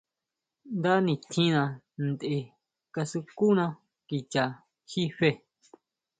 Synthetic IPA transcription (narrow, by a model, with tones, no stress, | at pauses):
nd̪a˦nĩ˧˨t̪ʰĩ˦nã˧ | nd̪e˧ | ka˧su˧ku˦nã˦˧ | ki˧t͡ʃa˨ | hi˦ɸe˧